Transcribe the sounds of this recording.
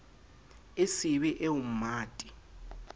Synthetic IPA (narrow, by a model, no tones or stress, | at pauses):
esiβiʔeum̩maːtʼi̥